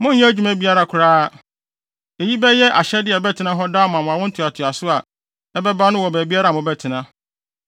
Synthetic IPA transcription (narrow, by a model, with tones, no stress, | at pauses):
mʊ̃˦ɲ̩˦jɛ̃˦d͡ʑᶣu˦mæ̃˦bi˦a˦ɾa˨kʰʊ˨ɾaː˦˨ | e˨ji˦bɛ˦jɛ˦ʔa˨ɕɛ˦dɪ˦ɛ˨bɛ˦tʰɪ˨˦nã˦ɦɔ˦daː˦mʊ̃˨a˨mʊ̃˨a˨wɔ̃˦n̩˦tʰʊ˨a˨tʰʊ˨a˨sʊ˦a˨ | ɛ˦bɛ˦ba˦nʊ̃˦wɔ˨bæː˨bi˦a˦ɾa˨mʊ̃˨bɛ˦tʰɪ˨nã˦